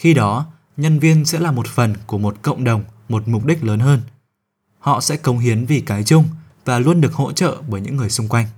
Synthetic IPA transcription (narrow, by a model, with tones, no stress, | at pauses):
xi˧ɗɔ˨˦ | ɲə˧nvi˧ənsɛ̰˧˥laː˨˩mo˨˩t̚fə˨˩nku˧˩əmo˨˩t̚kə̰˧˨wŋ͡mɗə˨˩wŋ͡m | mo˨˩t̚mʊ˨˩k͡p̚ɗï˦˥k̟̚ləː˨˦nɦəː˧n | hɔ̰˧˨sɛ̰˧˥kə˨˦wŋ͡mɦi˨˦ənvi˨˩kaː˨˦jt͡ɕʊ˧ŋ͡m | vaː˨˩lu˧ənɗɨ˨˩ək̚ho̰˧˥t͡ɕə̰ː˧˨ɓəː˧˩jɲɨ̰˧˥ŋːɨ˨˩əjsʊ˧ŋ͡mkwa˧jŋ̟